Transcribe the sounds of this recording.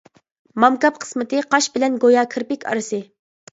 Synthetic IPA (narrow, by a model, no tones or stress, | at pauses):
mɑmkɑp̚qʰə̥smɨt̪ɨqʰɑʃbɪlɛnɡojɑːkʰɨɾpɪkʲʰɑ̰ɾɨsɨ